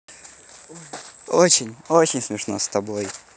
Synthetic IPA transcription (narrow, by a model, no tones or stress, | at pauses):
ot͡ɕɪnʲot͡ɕɪnʲsmʲɪʂnost̪ɐbo̞j